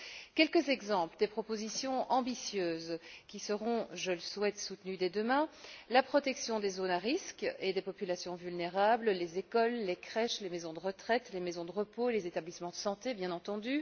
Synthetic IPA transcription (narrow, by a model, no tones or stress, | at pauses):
kʲɛlkəzɛɡzɑ̃pləd̪epχɔpozisjɔ̃ʔɑ̃bisjøːzkʲisəʁɔ̃ʒələswɛt̪sut̪nyd̪ɛd̪əmɛ̃lapχɔt̪ɛksjɔ̃d̪ezonaʁisked̪epɔpylasjɔ̃vylneʁablːezekɔlːekχɛʃlemezɔ̃d̪əʁət̪χɛt̪lemezɔ̃d̪əʁəpolezet̪ablismɑ̃d̪əsɑ̃t̪ebjɛ̃nɑ̃t̪ɑ̃d̪y